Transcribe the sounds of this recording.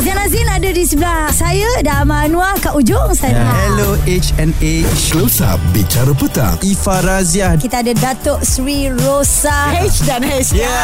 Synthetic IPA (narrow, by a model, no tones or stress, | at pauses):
zianazinadadisəblahsajadamanũakaʔud͡ʒʊŋsaahɛloʔet͡ʃɛnet͡ʃosa̰bit͡ʃaɾəpət̪a̰ŋifaɾaziakit̪aːdadat̪ɔʔsɾiɾosahɛt͡ʃdanhɛt͡ʃə